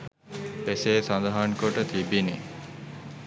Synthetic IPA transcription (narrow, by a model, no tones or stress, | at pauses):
peseːsɔnd̪aɦaŋkoʈət̪ʰibinḛ